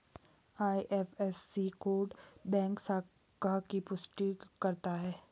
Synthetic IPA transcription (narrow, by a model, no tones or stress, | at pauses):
aːiʔɛːfɛsːikoːɖbɛ̃ːŋksaː | kakipʊsʈikɐɾt̪aɦɛː